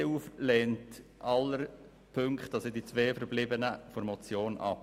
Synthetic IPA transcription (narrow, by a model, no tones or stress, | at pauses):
euːflɛːntʔɑləɾ | pʰøŋkχtːɑsədit͡sʋeːfəɾblɪbənəfɔɾmɔt͡sjoːnʔɑ̰p